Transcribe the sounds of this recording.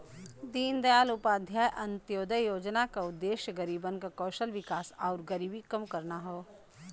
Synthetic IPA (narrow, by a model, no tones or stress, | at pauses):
d̪iːnd̪ɐjaːlʊpaːd̪ʱjaːjʔɐ̃nt̪joːd̪əjoːd͡ʒnakaʊd̪ːeːʃjəɡɐɾiːbənkakɔːʃəlʋɪkaːsaːɾɡɐɾiːbikɐmkɐɾnaɦoː